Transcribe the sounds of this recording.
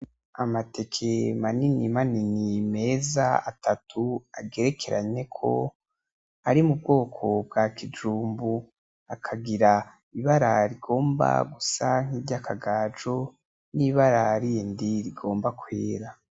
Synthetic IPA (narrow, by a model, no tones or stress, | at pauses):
amate̞kʰe̞maninimaninime̞ːza̰a̰tʰatʰuaɡe̞ɾe̞kʰe̞ɾʔa̰ɲe̞kʰo̞̰ | aɾimub̚ɡo̞ːkʰo̞b̚ɡakʰid͡ʒuːmbu | akʰaɡiɾa | iβaɾaɾiɡo̞ːmba̰ɡusaŋ̥iːɟakʰaɡaːd͡ʒo | niβaɾaɾindiɾiɡo̞ːmbakweːɾa